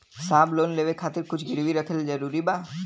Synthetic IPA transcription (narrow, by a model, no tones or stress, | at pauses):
saːbloːnleːʋekʰaːt̪ɪɾkʊt͡ʃʰɡɪɾwiɾəkʰəld͡ʒəɾuːɾibaː